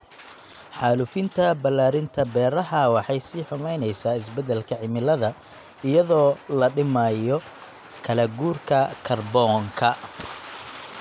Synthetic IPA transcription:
ħɑːlʊfɪnt̪ʰɐbɐlːaːɾɪnt̪ʰɐbɛːrɐɦɐwɑħɑjsiːħʊmɛjnɛjsaːɪsbɛd̪ɛlkʰɐʕɪmɪlɐðɐ | ɪjɐðɔːlɐɖɪmajɔ | kʰɐlɐɡuːrkʰɐkʰɐrbɔːŋkʰɐ

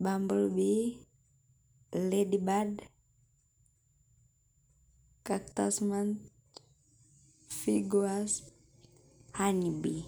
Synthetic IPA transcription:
bambəlbi | ledibad | kak̚t̪asmant̪ | fiɡuas | hanibi

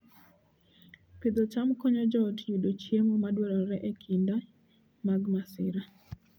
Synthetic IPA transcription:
pɪd̪ɔt͡ʃamkɔɲɔd͡ʒɔtjudot͡ʃjemomadwɛɾɔɾɛʔekʰinda | maɡmasɪɾa

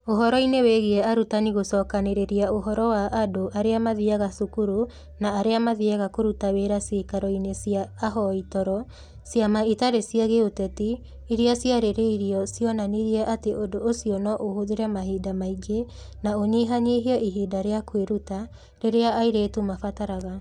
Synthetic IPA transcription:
oɦɔɾɔineweɣiɛaɾutaniɣosɔːkaneɾeɾiaoɦɔɾɔwaʔːdoʔaɾeamaðiaɣasukuɾu | naːɾeamaðiaɣakoɾutaweːɾaseːkaɾɔinesiaːɦɔitɔɾɔ | sjamaitaɾesijaɣeotɛti | iɾeasjaɾeɾeiɾiɔsiɔnaniɾiɛʔateʔodoːsijɔnɔʔohoðeɾɛmaɦiːdamaiɡe | naoniɦaɲeɦiɔʔiɦiːdaɾeakweɾuta | ɾeɾeaaiɾeːtumafataɾaɣa

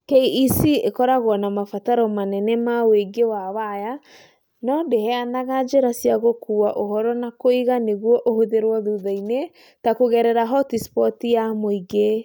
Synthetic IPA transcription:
keiisiekɔɾaɣwɔnamafataɾɔmanɛnɛmaweɡewawaja | nɔdeɦɛanaɣad͡ʒeɾasiaɣokuaʔoɦɔɾɔnakoiɣaneɣwɔʔohoðeɾwɔðuðaine | takoɣɛɾɛɾaɦɔtispɔtijamoiɡe

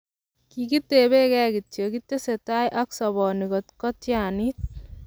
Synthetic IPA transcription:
kikit̪ːebekɛɡit̪jokit̪ːeset̪ajʔaksɔbɔnikɔt̪kɔt̪janit̪̚

